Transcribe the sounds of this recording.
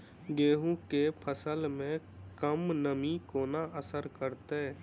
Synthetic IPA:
ɡeːɦũkepʰəsəlmẽ | kəmnəmikoːnaʔəsəɾkəɾt̪eː

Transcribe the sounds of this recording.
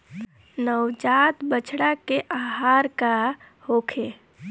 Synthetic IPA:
nəwd͡ʒat̪bət͡ʃʰɽakeʔaɦaːɾka | hokʰe

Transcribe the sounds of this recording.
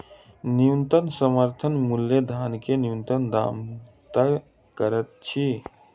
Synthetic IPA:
niunt̪ənsəməɾt̪ʰənmulːjəd̪ʱaːnkenijunt̪ənd̪a̰ːmt̪a | kəɾət̪̚t͡ʃʰi

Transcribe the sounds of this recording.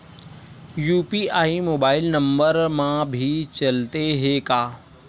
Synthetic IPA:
juːpiaːimoːbaːɪlnɐ̃mbəɾmãbʱit͡ɕɐlt̪eɦekaː

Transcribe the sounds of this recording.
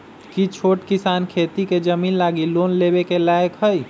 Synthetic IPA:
kit͡ʃʰoʈkisankʰet̪iked͡ʒəminlaɡilonlebekelajkɦəj

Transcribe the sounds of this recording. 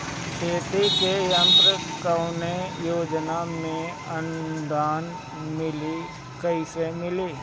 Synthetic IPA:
teːt̪ekejə̃mt̪ɾəkəʊnejoːd͡ʒnamẽ | ə̃nd̪ʱaːn | mɪli | kɐisemɪliː

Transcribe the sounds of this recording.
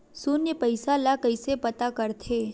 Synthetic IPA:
sʊnjəpəɪsalakəɪsepɐt̪akəɾt̪ʰeː

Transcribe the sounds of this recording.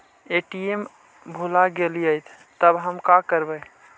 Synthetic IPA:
eʈiem | bʱulaɡeliəjt̪ʰ | t̪əbɦəmkakəɾbə

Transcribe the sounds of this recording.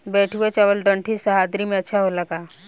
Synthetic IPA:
bɛːʈʰuet͡ʃəʋəlɖə̃ɳʈʰisəɦaːd̪ɾimẽɐtːʃʰaɦolɐɡaː

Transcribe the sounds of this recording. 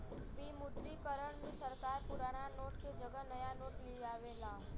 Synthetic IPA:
ʋimʊd̪ɾikəɾəɽ̃mẽsəɾkaːɾpʊɾaːɽ̃anoːʈked͡ʒəɡənəjanoːʈliaːʋelaː

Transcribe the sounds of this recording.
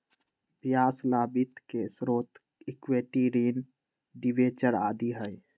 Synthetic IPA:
bjaːslabit̪kesɾoːt̪ | ikweʈiɾin | ɖiʋet͡ʃəɾad̪iɦəj

